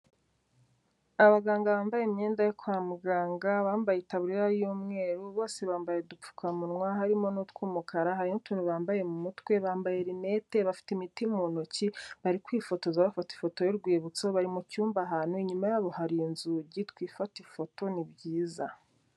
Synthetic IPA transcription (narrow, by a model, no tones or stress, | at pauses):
aβaɡaːŋɡaβaːmbajeimɲeːndajokwaːmuɡaːŋɡaβaːmbajetaβuɾiɾajuːmŋe̞ːɾuβo̞ːseβaːmbajedup͡fu̥kʰamunŋwaɦaɾimo̞nutkuːmukʰaɾaɦaɾinutuːnuβaːmbaje̞mumutwe̞βaːmbaje̞ɾine̞te̞βafi̥timitimuːnociβaɾikwiːfo̞to̞zaβafati̥fo̞to̞joɾɡwiːβut͡soβaɾimucuːmbaɦaːnuiɲumajaːβo̞haɾinzuɟitkwiːfatifo̞to̞nibɟiːza̰